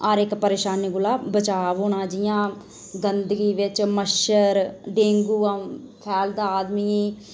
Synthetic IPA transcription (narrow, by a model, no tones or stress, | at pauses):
aɾɪkpəɾeːʃaːniɡʊlaːbət͡ʃaːʋɦoːɽãːd͡ʒɪjãː | ɡənd̪əɡiːʋɪt͡ʃməʃəɾɖẽːŋɡuːa | pʰɛːld̪aːaːd̪miː